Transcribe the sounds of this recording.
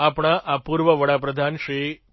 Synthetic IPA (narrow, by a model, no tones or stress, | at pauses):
apɽ̃aʔapuɾʋəʋəɽapɾəd̪ʱanʃɾi